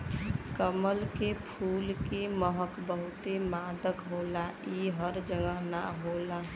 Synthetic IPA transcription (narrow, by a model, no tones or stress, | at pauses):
kəməlkepʰuːlkeməɦəkbəɦʊt̪emaːd̪əkɦoːlaiɦəɾd͡ʒəŋəɦna̰ɦoːla